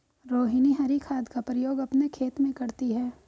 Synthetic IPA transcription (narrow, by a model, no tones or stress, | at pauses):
ɾoːɦiniɦɐɾikʰaːd̪ʱkapɾəjoːɡɐpnekʰeːt̪mẽkɐɾt̪iɦɛː